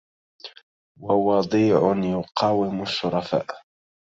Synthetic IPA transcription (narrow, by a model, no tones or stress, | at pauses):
wɑwɑd̪ˤiːʕʊnjʊqʰɑːwɪmʊʃːʊɾˤɑfa̰ːʔ